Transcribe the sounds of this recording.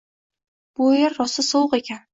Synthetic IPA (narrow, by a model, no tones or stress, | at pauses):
b̥ojɪɾːɒsɪsowqekʲan